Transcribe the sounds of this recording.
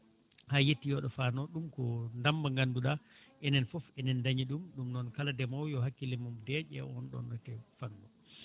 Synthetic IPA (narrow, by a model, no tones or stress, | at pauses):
hajetːijɔɗɔfanɔɗumkɔndambaŋɡanːduɗa | ʔɛnɛnfɔfɛnɛndaɲiɗumɗumnɔnkaladɛmawjɔɦakːilimumdɛʔɛ̰ɔnɗɔ̰nːɔtɛfanːɔ